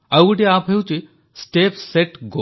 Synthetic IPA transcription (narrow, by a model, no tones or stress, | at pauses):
aɡʈiapɦewt͡ɕi | sʈepseʈɡo